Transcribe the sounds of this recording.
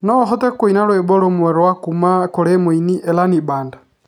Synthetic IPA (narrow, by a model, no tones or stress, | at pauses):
nɔɦɔt̪ɛkwinalwɛbɔlɔmwɛɾwakumakɔɾɛmwiniʔɛlanibanda